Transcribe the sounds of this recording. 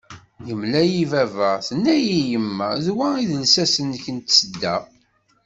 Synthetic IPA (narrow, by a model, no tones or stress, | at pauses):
jəmlæjivævəʁθənːæjijəmːæðwæiðəlsæsənçənt̪səd̪ːæ